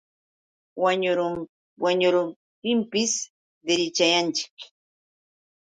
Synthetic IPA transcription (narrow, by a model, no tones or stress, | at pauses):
waɲʊɾʊ | waɲʊɾʊm | t̪ɪmpɪs | d̪eɾɪt͡ʃajant͡ʃɪ̥k